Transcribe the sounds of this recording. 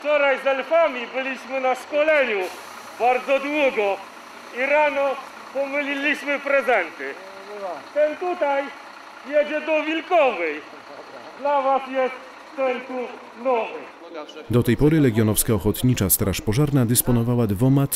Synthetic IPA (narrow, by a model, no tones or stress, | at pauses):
ft͡ʂɔɾajzɛlfamʲibɘlʲiɕmɘnaʂkɔlɛɲu | baɾd̪zɔd̪wuɡɔ | iɾanɔ | pɔmɘlʲilʲiɕmɘpɾɛzɛnt̪ɘ | t̪ɛnt̪ut̪aj | jɛd͡ʑɛd̪ɔvʲilkɔvɛj | d̪lavasjɛst̪ | sɛnsu | nɔvɘ | d̪ɔt̪ɛjpɔɾɘlɛɡʲjɔnɔfskaɔxɔt̪ɲit͡ʂast̪ɾaʂpɔʐaɾnad̪ɘspɔnɔvawad̪vɔmat̪